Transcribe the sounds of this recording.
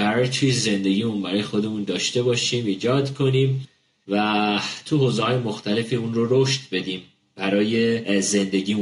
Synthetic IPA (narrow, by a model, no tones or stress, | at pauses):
æɾɒjet̪ʰujeze̞nd̪e̞ɡʲiːmunbæɾɒːje̞xo̞d̪e̞mund̪ɒːʃt̪e̞bɒːʃiːmiːd͡ʒɒːd̪kʰo̞niːm | væt̪ʰuɦoːzehɒːje̞mo̞xt̪ʰæle̞fiunroɾoʃt̪be̞d̪iːm | b̥æɾɒːje̞ze̞nd̪e̞ɟʲiːu